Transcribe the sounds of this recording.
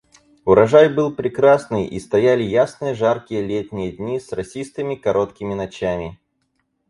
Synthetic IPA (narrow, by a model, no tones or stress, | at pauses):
ʊɾɐʐajbɨlˠpɾʲɪkɾasnɨjʔḭst̪ɐjalʲɪjasnɨjəʐarkʲɪjəlʲet̪ʲnʲɪjəd̪ʲnʲisrɐsʲist̪ɨmʲɪkɐɾʔo̞t̪kʲɪmʲɪnɐt͡ɕamʲɪ